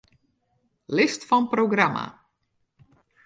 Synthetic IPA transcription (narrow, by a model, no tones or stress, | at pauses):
lɪstfɔnproɡrama̰